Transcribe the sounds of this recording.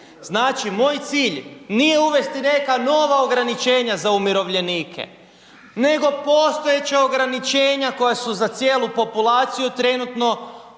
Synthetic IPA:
znaːt͡ʃimo̞ːjt̪siːʎnije̞uʋe̞st̪ine̞kano̞ʋao̞ɡɾanit͡ʃe̞ːɲazaumiɾo̞ʋʎe̞niːkʰḛ | ne̞ɡo̞po̞ːst̪o̞jet͡ɕao̞ɡɾanit͡ʃe̞ːɲako̞jasuzat̪sje̞ːlˠupo̞pulˠaːt̪sijut̪ɾe̞nut̪no̞

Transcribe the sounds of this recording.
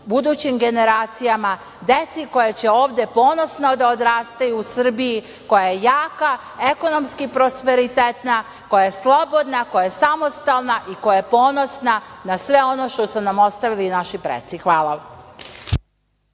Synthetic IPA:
bud̪uːt͡ɕimɡe̞ne̞ɾaːt̪sijama | d̪e̞t̪siko̞jet͡ɕeo̞ːʋd̪e̞po̞ːno̞snod̪aod̪ɾaːst̪ajuːsr̩biji | ko̞jajejaːka | e̞ko̞no̞mskipɾo̞spe̞ɾit̪et̪na | ko̞jaje̞slˠo̞bo̞d̪nako̞jaesamo̞st̪alˠnaʔiko̞jajepo̞ːno̞snanasʋe̞o̞no̞ʃt̪o̞sunamo̞st̪aʋilinaʃipɾḛt̪sixʋaːlˠa

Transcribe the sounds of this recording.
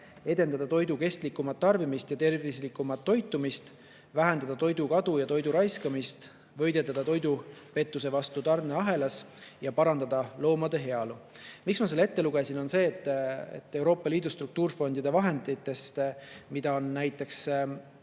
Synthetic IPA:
e̞d̪̥e̞nd̪ɑd̪̥ɑt̪o̞jd̪uke̞st̪likːˑumɑt̪ːɑrbimist̪jɑt̪e̞rvislikːˑumɑt̪ːo̞jt̪ːˑumist̪ | væɦend̪̥ɑd̪ɑt̪o̞jd̪̥ukɑd̪̥ujɑt̪o̞jd̪uɾɑjskɑmist̪ | vɤ̞jd̪e̞lɑd̪̥ɑt̪o̞jd̪upe̞t̪ːus̬e̞vɑst̪ut̪ɑrneɑɦe̞lɑs | jɑpɑɾɑnd̪̥ɑd̪̥ɑlo̞ːmɑd̪e̞ɦe̞ɑlumiksmɑsele̞t̪ːe̞luɡ̥e̞sino̞nse̞ːt̪ːˑḛt̪ːe̞wɾo̞ːpːˑɑliːd̪ust̪ɾuk̚t̪uːrfo̞nd̪̥id̪e̞vɑɦe̞nd̪it̪ːe̞st̪mid̪̥ɑo̞nnæjt̪ːˑe̞ks

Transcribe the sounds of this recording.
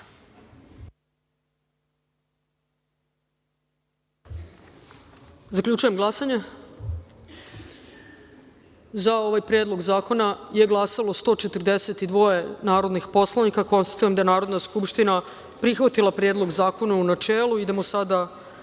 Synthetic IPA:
zakʎʲut͡ʃuje̞mɡlˠasaɲe | zao̞ʋajpɾeːd̪lˠo̞ɡzaːko̞naje̞ɡlˠasalo̞st̪o̞t͡ʃe̞t̪rd̪eset̪id̪ʋo̞je̞naːɾo̞d̪nixpo̞slˠanikako̞nst̪ḁt̪ujemd̪ajenaːɾo̞d̪naskupʃt̪ina | pɾixʋat̪ilˠapɾe̞ːd̪lˠo̞ɡzaːko̞naunat͡ʃeːlˠuid̪e̞mosad̪a

